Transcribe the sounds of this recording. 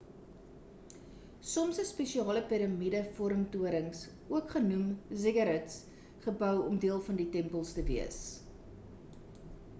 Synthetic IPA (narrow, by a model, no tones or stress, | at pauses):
sɔmsəspɛʃiɑːləpiɾɐmidəfuəɾəmtuəɾəŋs | uəkχənumziɡɐɾɛts | χəbœwɔmdiəlˠfɐnditɛmpəlˠstəviəs